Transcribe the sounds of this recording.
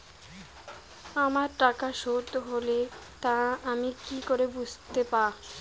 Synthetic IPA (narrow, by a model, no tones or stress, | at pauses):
amaɾʈakaʃoɾt̪oɦolet̪ãamikikoɾebud͡ʑʱt̪epaɾ